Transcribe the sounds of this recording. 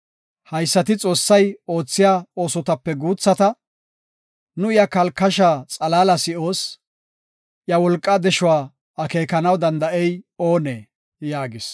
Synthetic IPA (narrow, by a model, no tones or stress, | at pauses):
hɐjsːɐt̪ɪt͡sʼo̞ːsːɐjo̞ːt͡sːɪjaːo̞ːsɔt̪ɐpːɛɡuːt͡sːɐt̪ɐ | nʊɪjɐkɐlkːɐʃaːt͡sʼɐlaːlɐsɪʔo̞ːs | ʔjɐwɔlkʼːɐd̪ɛʃʊwaː | ɐke̞ːkɐnɐwd̪ɐnd̪ɐʔɛjo̞ːneː | jaːɡɪs